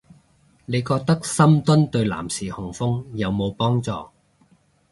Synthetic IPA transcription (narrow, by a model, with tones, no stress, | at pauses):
ne˨˧jkɔː˧k̚t̪ɐ˥k̚sɐ˥mt̪ɵ˥nt̪ɵ˧ɥla̰ː˨˩msiː˨˩hʊ˨˩ŋfʊ˥ŋjɐ˨˧wmo˨˧wpɔː˥ŋt͡sɔ̰ː˧